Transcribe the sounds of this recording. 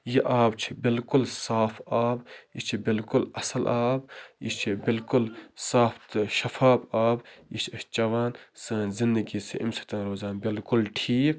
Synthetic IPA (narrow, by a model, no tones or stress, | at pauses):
jiʔaːbt͡ʃʰi̥bɪlkʊlsaːfʰaːbjit͡ʃʰibɪlkʊlɐsɐlʔaːbjit͡ʃʰibɪlkʊlsaːft̪ʃɐfʰaːbaːbjit͡ʃʰɐst͡ʃɐʋaːnsɨːnzɪnd̪əɡisiʔḭmsɐ̥t̪ɐnɾoːzaːnbɪlkʊlʈʰiːk